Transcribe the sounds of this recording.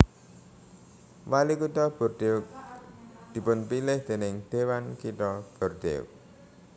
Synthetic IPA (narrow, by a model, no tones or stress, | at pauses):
walikut̪ɔb̥ɔ̤rɖ̪̥eʊk̚ | d̪̥i̤pʊnpilɪhd̪̥e̤nɪŋd̪̥ewankit̪ɔb̥ɔ̤rɖ̪ḛʊ̰k̚